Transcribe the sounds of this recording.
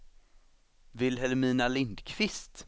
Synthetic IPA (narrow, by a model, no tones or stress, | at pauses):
vɪlɦɛlmiːnalɪnd̪kʰvɪst̪